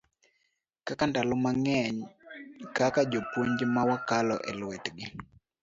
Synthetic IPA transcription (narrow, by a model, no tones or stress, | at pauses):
kakandalɔmaŋɛɲ | kakad͡ʒopwoɲd͡ʒmawakalɔ̰ʔɛ̰lwɛtɡɪ